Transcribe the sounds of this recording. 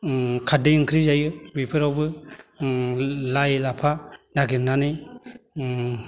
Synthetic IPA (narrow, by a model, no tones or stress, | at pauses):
kʰadejɯŋkʰɾid͡ʒajɯbipʰɯɾawbɯ | lajlapʰanaɡinani